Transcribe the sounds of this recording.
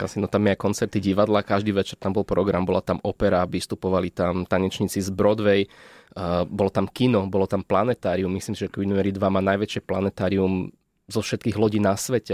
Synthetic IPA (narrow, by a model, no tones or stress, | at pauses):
ka̰sinɔt̪amjɛajkɔnt͡sɛɾt̪iɟiʋad̪lakaʒd̪iːʋɛt͡ʃɛɾt̪ambɔlpɾɔɡɾambɔlat̪amɔpɛɾaʋist̪upɔʋalit̪amt̪aɲɛt͡ʃɲit͡sizbɾɔd̪ʋɛj | bɔlɔt̪amkinɔbɔlɔt̪amplanɛt̪aːɾiumːisliːmsiʒɛkʋinmɛɾid̪ʋamaːnajʋɛt͡ʃɪɛplanɛt̪aːɾium | zɔfʃɛt̪kiːɣlɔɟiːnasʋɛcɛ